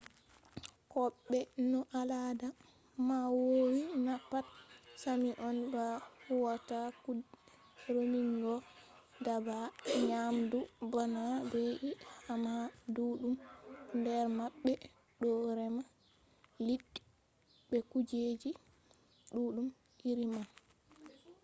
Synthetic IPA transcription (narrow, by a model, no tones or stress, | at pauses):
kɔɓːɛnɔʔalada | mawowinapːat̚samiʔɔnbahuwataku | ɾomiŋɡɔ | dabaɲamdubanabeʔihamaduɗumndɛɾmaɓːɛ | ɗɔɾɛma | liɗːi̥ | bɛkud͡ʒed͡ʒi | ɗuːɗum | ʔiɾima